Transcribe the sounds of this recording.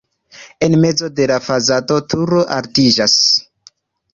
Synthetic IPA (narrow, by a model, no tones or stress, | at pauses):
e̞nme̞d͡zo̞de̞lafazato̞tʰuɾo̞ʔa̰ltid͡ʒas